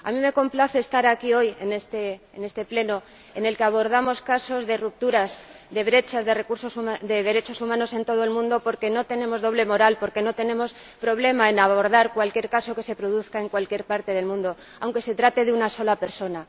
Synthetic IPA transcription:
a̰mĩme̞ko̞mplaθe̞ːst̪aɾakio̞je̞ne̞st̪eː | ne̞st̪e̞ple̞no | e̞ne̞lkeaβ̞o̞ɾð̞amo̞skaso̞zðe̞rup̚t̪uɾaz | ðe̞βɾe̞t͡ʃazðe̞rekuɾso̞suad̪e̞ðe̞ɾe̞t͡ʃo̞sumãno̞se̞nt̪o̞ð̞o̞e̞lmũnd̪o̞po̞ɾke̞no̞t̪e̞nẽ̞mo̞zðo̞β̞le̞mo̞ɾalpo̞ɾke̞no̞t̪e̞nẽ̞mo̞s | pɾo̞βle̞maenaβo̞ɾðaɾkwalkje̞ɾkaso̞ke̞se̞pɾo̞ðuθkae̞ŋkwalkje̞ɾpaɾt̪e̞ð̞e̞lmũnd̪o̞ | awŋke̞se̞t̪ɾat̪e̞ðeunaso̞lape̞ɾso̞na

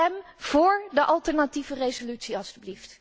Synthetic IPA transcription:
ɛm | v̥ʊːɹdəʔɑlˠtɛɹnativərezolytsiɑlˠsdyblift

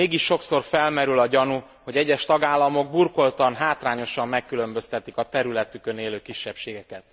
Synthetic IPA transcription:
eːɡiʃːo̞kso̞rfɛlmɛɾylɒɟɒnu | ho̞ɟɛɟːɛʃt̪ɒɡaːlːɒmo̞ɡ̚burko̞lt̪ɒnɦaːt̪raːɲo̞ʃɒmːɛkːylø̞mbø̞st̪ɛt̪ikɒt̪ɛɾylɛt̪ykøneːløːkiʃːɛpʃeːɡɛkɛt̪

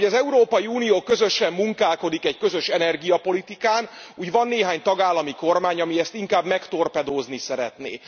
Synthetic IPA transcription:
ɟɒzɛuɾoːpɒjiuːnijoːkø̞zø̞ʃɛmːuŋkaːlko̞d̪ikɛckø̞zø̞ʃɛnɛrɡijɒpo̞lit̪ikaːn | uːɟvɒnːeːɦaːɲt̪ɒɡaːlːɒmiko̞rmaːɲɒmiɛst̪iŋkaːbmɛkt̪o̞rpɛd̪oːznisɛɾɛ̰t̪nḛː

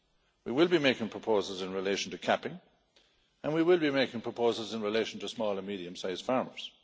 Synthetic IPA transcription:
wiwɪlˠbimeɪkɪ̃ŋpʰɹ̥əpʰoʊzəl̩ˠzɪ̃nɹɪleɪʃə̃n̩tʰəkʰæpɪ̃ŋ | ə̃nwiwɪlˠbimeɪkɪ̃ŋpʰɹ̥əpʰoʊzəl̩ˠzɪ̃nɹɪleɪʃə̃n̩tʰəsmɔːlˠə˞miɾiɨ̃msaɪz̥fɑɹmə̰˞z̥

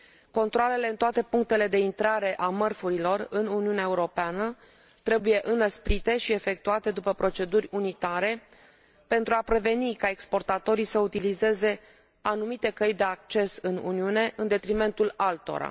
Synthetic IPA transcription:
ko̞nt̪ɾoale̞le̞ɨnt̪oat̪e̞puŋk̚t̪e̞le̞d̪e̞int̪ɾaɾe̞ʔamərfuɾilo̞rɨnuniuneaeuɾo̞peanə | t̪ɾe̞buje̞ʔɨnəspɾit̪e̞ʃie̞fe̞k̚t̪uat̪e̞d̪upəpɾo̞t͡ʃe̞d̪urʲunit̪aɾe̞ | pe̞nt̪ɾuapɾe̞ve̞nikae̞kspo̞rt̪at̪o̞ɾisəut̪ilize̞ze̞ | anumit̪e̞kəjd̪e̞ak̚t͡ʃe̞sɨnṵniune̞ʔɨnd̪e̞t̪ɾime̞nt̪ulalt̪o̞̰ɾa̰

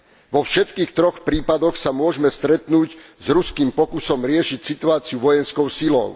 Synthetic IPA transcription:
ʋɔfʃɛt̪kiːxt̪ɾɔxpɾiːpad̪ɔxsamʊɔʒmɛst̪ɾɛt̪nuːɟzɾuskiːmpɔkusɔmɾɪɛʃicsit̪uaːt͡siuʋɔjɛnskɔʊsilɔ̰ʊ

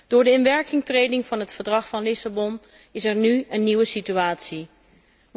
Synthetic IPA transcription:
d̥ʊːɹdəɪnʋɛɹkɪŋtrejdɪŋvɑnɦətfəɹdrɑχfɑnlɪsabɔn | ɪsɛɹnyənːiwəsityaːtsi

